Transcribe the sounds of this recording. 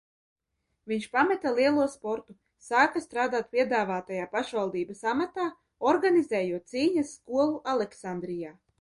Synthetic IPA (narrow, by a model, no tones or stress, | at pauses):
vʲiɲʃpamɛt̪alˠiɛlˠuɔspɔɾt̪u | saːkast̪ɾaːd̪aːt̪̚pʲiɛd̪aːvaːt̪ajaːpaʃvalˠd̪iːbɐsamat̪aː | ɔɾɡanizɛːjuɔt̪t̪siːɲasːkuɔlˠuʔalˠeksand̪ɾijaː